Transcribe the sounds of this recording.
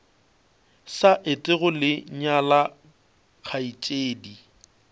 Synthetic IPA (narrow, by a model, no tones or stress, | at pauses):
saʔɪtʼɪɣʊlɪɲala | k͡xʰait͡ʃʼeːdi